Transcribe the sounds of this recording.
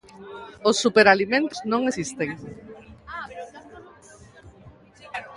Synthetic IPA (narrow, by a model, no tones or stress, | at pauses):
osːupeɾalimẽnt̪o̥znõŋesist̪eŋ